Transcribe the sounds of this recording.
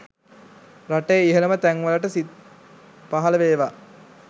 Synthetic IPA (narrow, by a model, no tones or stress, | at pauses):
raʈejːiɦələmət̪æŋʋələʈəsi | paɦɐləʋeːʋa